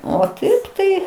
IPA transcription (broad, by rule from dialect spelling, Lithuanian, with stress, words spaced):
oː ˈtɐɪp tɐɪ